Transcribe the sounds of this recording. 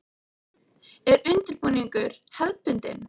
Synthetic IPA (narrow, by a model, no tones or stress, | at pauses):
ɛɾʏnt̪ɪɾpuːniŋkʏɾ̥hɛðpʏnt̪ɪ̰m